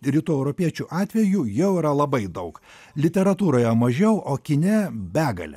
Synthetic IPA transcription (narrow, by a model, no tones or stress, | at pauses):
ɾʲiːt̪uːɛʊɾopʲiɛt͡ʃʲuʔɑːt̪ʲʋʲɛjujɛʊiɾɐlˠɐbɐɪd̪ɐʊk | lʲɪt̪ʲɛɾɐt̪uːɾoːjɛmɐʒʲɛʊʔoːkʲɪnʲɛbʲæːɡɐ̰lʲɛ̰